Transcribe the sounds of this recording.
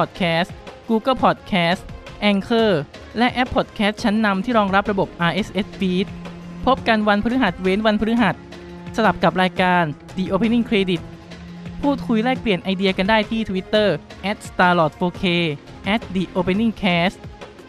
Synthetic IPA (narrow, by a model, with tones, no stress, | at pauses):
pʰɔː˨˩t̪̚kʰɛː˦˥st̪kuː˧kɤ˥˩pʰɔː˨˩t̪̚kʰɛː˦˥stʔɛ˧ŋkʰɤː˥˩lɛ˦˥ʔɛ˦˥pʰːo˨˩t̪̚kʰɛː˦˥t̪̚t͡ɕʰa˦˥nːa˧mt̪ʰiː˥˩ɾɔː˧ŋɾa˦˥p̚ɾa˧bo˨˩p̚ʔaː˧ʔe˦˥sʔe˦˥sfiː˦˥t̪̚ | pʰo˦˥p̚ka˧nwa˧npʰa˧ɾɯ˦˥ɦa˨˩t̪̚we˦˥nwa˧npʰɯ˦˥ɦa˨˩t̪̚ | sa˧la˨˩p̚ka˨˩p̚ɾaː˧jkaː˧n | diː˧ʔoː˧pʰe˧nːi˥˩ŋkʰɾeː˧di˨˩t̪̚pʰuː˥˩t̪̚kʰu˧jlɛː˥˩k̚pli˨˩ənʔa˧jdi˧ɐka˧ndaː˥˩jt̪ʰiː˥˩t̪ʰa˧wi˦˥t̪ːɤː˥˩ʔɛ˦˥t̪̚st̪aː˧lɔː˨˩t̪̚foː˧kʰeː˧ | ʔɛ˦˥t̪̚diː˧ʔoː˧pʰe˧nːi˥˩ŋkʰɛː˦˥st̪